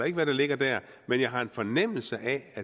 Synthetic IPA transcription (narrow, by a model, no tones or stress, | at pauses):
e̝ɡ̥əʋæɾ̥ɑ̈le̝ɡ̥ɐd̥æɐ̰ | menjɑ̈ɪɦɑ̈e̝nfɒnem̰l̩səʔææ